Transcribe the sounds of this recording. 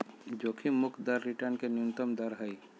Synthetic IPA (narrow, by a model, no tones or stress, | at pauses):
d͡ʒoːkʰimʊkʰd̪ɐɾːɪʈəɾnkenunt̪əmd̪ɐɾɦəi